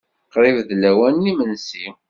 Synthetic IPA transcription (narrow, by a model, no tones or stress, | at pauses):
qɾˤɪvðlæwænːimənsi